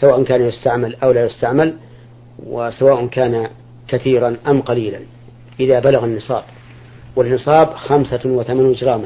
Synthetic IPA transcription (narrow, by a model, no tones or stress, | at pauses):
sawaːʔʊnkaːnjʊst̪aʕmalʔawlaːjʊst̪aʕmal | wɪsawaːʔʊnkaːna | kaθiːɾanʔamqɑliːlan | ʔɪðabalaɣanːɨsˤɑːb | wɪnːɨsˤɑːbxamsawɪθamanwɪd͡ʒɾˤɑːma